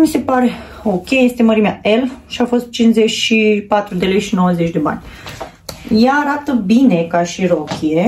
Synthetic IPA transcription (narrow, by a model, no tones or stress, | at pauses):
mise̞paɾe̞ | o̞kʲe̞je̞st̪e̞məɾimeaelʃiafo̞st̪̚t͡ʃinzet͡ʃʃipat̪ɾud̪e̞le̞jʃino̞wəzet͡ʃʲd̪e̞ba̰nʲ | jaːɾat̪əbine̞kaʃiɾokʲʰie